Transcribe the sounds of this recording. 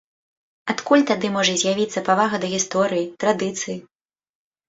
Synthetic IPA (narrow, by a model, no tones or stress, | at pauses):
at̪kulʲt̪ad̪ɨmɔʐɐzʲjavʲit̪sːɐpavaɣɐd̪ɐɣʲist̪ɔɾɨjit̪ɾad̪ɨt̪sɨji